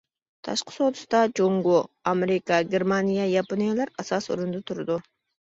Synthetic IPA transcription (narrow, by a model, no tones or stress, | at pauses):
t̪ʰɑ̰ʃqʰə̥sot̪ʰʊ̥st̪ɑd͡ʒoŋɡuɑmeɾɪkɑɡʲeɾmɑnijɑjɑponijalˠɑɾɑsɑsṵɾund̪ɑt̪ʰuɾd̪u